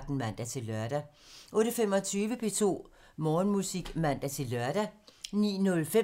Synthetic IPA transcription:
ɡ̥̚d̥n̩mæn̰d̥æt͡sʰe̝lœɐɾ̥æ | ʔɔ̽ːɾ̥əfem̰ɒ̽t͡sʰyːʋəpʰe̝ːt͡sʰo̝̰ː | mɒːnmusiɡ̥mæn̰d̥æt͡sʰe̝lːœɐɾ̥ænḭːnɔ̽lfe

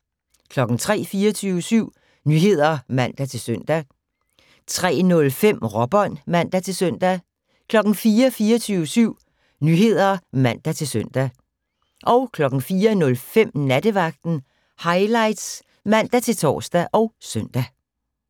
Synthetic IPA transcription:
kʰlɒ̽ɡ̥n̩t͡sʰʁɛ̰ːfiːɐt͡sʰyːʊəsyʊ̰ | nyɦe̝ð̞̰ˠɐmæn̰d̥æt͡sʰe̝lsøn̰d̥æ | t͡sʰʁɛ̰ːnɔ̽lfem̰ʁɒ̽b̥ɒ̽n̰mæn̰d̥æt͡sʰe̝lsœn̰d̥æ | kʰlɒ̽ɡ̥n̩fiːɐfiːɐt͡sʰyːʊəsyʊ̰ | nyɦe̝ð̞̰ˠɐmæn̰d̥æt͡sʰe̝lsœn̰d̥æ | ʔɒ̽ʊkʰlɒ̽ɡ̥n̩fiːɐnɔ̽lfem̰næd̥əʋɑ̈ɡ̥̚d̥n̩ | hɑ̈ɪlɑ̈ɪd̥s | mæn̰d̥æt͡sʰe̝lt͡sʰɒ̰ːsd̥æʔɒ̽ʊsœn̰d̥æ

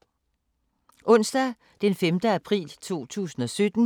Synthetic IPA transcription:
ʔɔ̽n̰sd̥æ | d̥enfemd̥əæpʰʁḭːlt͡sʰo̝̰ːt͡sʰṵːsn̩ɒ̽sød̥n̩

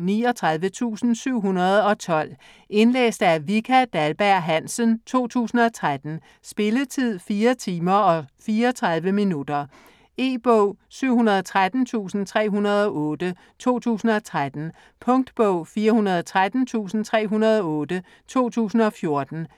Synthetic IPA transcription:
niɒ̽t͡sʰʁäðˠʋət͡sʰṵːsn̩syʊ̰ɦunɐð̞̩ˠɒ̽t͡sʰɒ̽l̰ | ʔe̝nlḛːsd̥æɐʋikʰæd̥ælb̥æɐ̰ɦænsənt͡sʰo̝̰ːt͡sʰṵːsn̩ɒ̽t͡sʰʁad̥n̩ | sb̥e̝lət͡sʰið̰ˠfiːɐt͡sʰiːmɐɒ̽fiːɐɒt͡sʰʁað̞ˠʋəminud̥ɐ | e̝̰ːb̥ɔʊ̰syʊ̰hunɐð̞ˠɒ̽t͡sʰʁad̥n̩t͡sʰṵːsn̩t͡sʰʁɛ̰ːɦunɐð̞ˠɒ̽ʔɔ̽ːd̥ə | t͡sʰo̝̰ːt͡sʰṵːsn̩ɒ̽t͡sʰʁad̥n̩ | pʰɔ̽ŋd̥b̥ɔʊ̰fiːɐhunɐð̞ˠɒt͡sʰʁad̥n̩t͡sʰṵːsn̩t͡sʰʁɛ̰ːɦunɐð̞ˠɒ̽ɔ̽ːd̥ə | t͡sʰo̝̰ːt͡sʰṵːsn̩ɒ̽fjo̝ɐd̥n̩

